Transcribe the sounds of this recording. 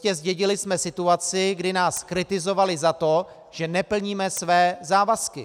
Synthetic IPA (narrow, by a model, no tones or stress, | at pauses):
cɛzɟɛɟɪlɪsmɛsɪt̪uat͡sɪɡdɪnaːskɾɪt̪ɪzo̞valɪzat̪o̞ | ʒ̥ɛnɛpl̩ɲiːmɛsvɛːzaːvaskɪ